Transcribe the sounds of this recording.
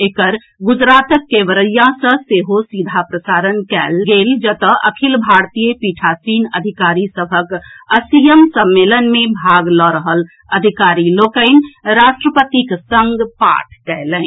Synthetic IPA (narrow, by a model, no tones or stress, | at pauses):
ekəɾ | ɡud͡ʒɾat̪əkːeʋəɾəjasə̃seɦosid̪ʱapɾəsaɾənkɛlɡeld͡ʒət̪əə̰kʰilbʱaɾt̪ijəpiʈʰasinəd̪ʱikaɾisəbʱəkəsijəmsəmːelənmebʱaɡlɔɾəɦəl | əd̪ʱikaɾilokənɾaʃʈɾəpət̪iksəŋɡpa̰ʈʰkɛjlən